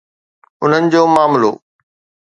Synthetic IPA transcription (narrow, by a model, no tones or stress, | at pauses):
ʊn̤ənɪ̆d͡ʑoːmaːmlo̰ː